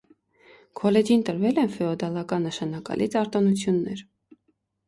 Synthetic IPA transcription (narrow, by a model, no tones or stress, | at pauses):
kʰɔlɛd͡ʒint̪əɾvɛlɛnfɛɔd̪ɑlɑkɑnːəʃɑnɑkɑ̰lʔit͡sɑɾt̪ɑnut͡sʰjunːɛɾ